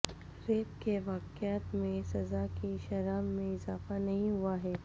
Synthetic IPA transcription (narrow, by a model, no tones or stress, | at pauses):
ɾeːt̪keʋaːqɪat̪mẽsɐzakiʃɐɾaːmːẽɪzaːfanɐɦĩɦʊaɦɛː